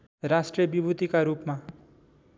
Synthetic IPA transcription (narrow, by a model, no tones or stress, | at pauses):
rasʈrijʌbibʱut̪ikaɾupma